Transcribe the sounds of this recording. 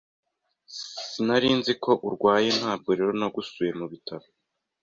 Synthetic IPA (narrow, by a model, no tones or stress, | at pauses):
sinaɾiːnzikʰo̞ʔuɾɡwaːje̞n̥haːbɡo̞ɾeɾonaɡusuje̞muβitaβo